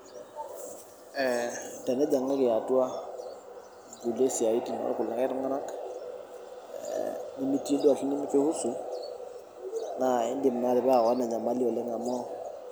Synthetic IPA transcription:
ɛ˨ta˨nɛ˦d͡ʒa˨ŋa˦kɪ˨a˨tu˦a˦ | ɡu˨le˦si˨a˨i˦ti˨n˨ɔ̰ɾa˨kʊ˨lːa˨ka˦ɾʊ˦ŋ˦a˦na˦k | ni˦mi˦ti˦e˦da˨ɬi˦ni˦mɪ˦t͡ʃɪ˦hu˦su˦ | na˨ɪ˦ndɪ˨m˨na˦ɾɪ˨ba˦a˨ɣɔ˦na˨ɲa˨ma˦li˦ɔ˨lɛ˦ŋa˨mɔ˦

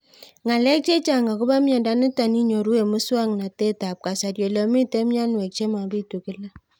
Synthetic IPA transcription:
ŋa˨lɛ˦k̚t͡ʃe˦t͡ʃa˨ŋɡa˨kʊ˦ba˦mja˨nda˦nu˦ta˨ni˦ɲo˨ɾu˦e˨mu˦swa˦ŋna˨te˦ta˨p̚ka˨sa˨ɾjo˨lo˨mi˦te˦mja˦nwɛ˨k̚t͡ʃe˦ma˨bi˦tu˨kɪ˦la˦

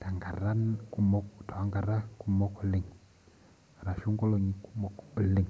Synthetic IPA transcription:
ta˨ŋɡa˨ɾa˦nku˦mɔ˦kta˨wa˨˦ŋɡa˨ɾa˦ku˦mo˦ku˨li˨ŋ | a˨ɾa˨ʃu˦ŋɡo˦lo˨ɲi˨ku̥˦mo˦kə˨lɪ˨ŋ

